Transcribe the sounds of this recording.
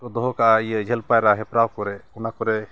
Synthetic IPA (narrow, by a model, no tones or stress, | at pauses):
ɔd̪ɔɦɔkaʔaijɛd͡ʒʱɛlpajɾaɦɛpɾawkɔɾɛunakɔɾɛ